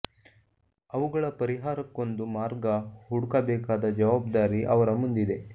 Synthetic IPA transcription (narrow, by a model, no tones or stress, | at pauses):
ɐʋuɡɐɭɐpɐɾiɦaːɾɐkːo̞nd̪umaːɾɡɐhuɽukɐbɛːkaːd̪ɐd͡ʒɐʋaːb̚d̪aːɾiʔɐʋɐɾɐmund̪id̪e̞